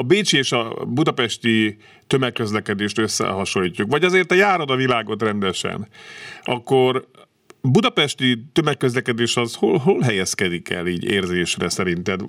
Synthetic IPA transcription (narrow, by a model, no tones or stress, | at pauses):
ɒbeːt͡ʃieːʃɒ̰bud̪ɒpɛʃt̪i | t̪ø̞mɛkːø̞zlɛkɛd̪eːʃt̪ø̞sːɛ̰ɦɒʃo̞jiːcːukʋɒɟɒzeːrt̪ɒjaːɾo̞d̪ɒvilaːɡo̞t̪rɛnd̪ɛʃɛ̰nɒkːo̞r | bud̪ɒpɛʃt̪it̪ømɛkːøzlɛkɛd̪eːʃɒzholɦolɦɛjɛskɛd̪ikʰɛ̰liːɟeːrzeːʃrɛsɛɾint̪ɛd̪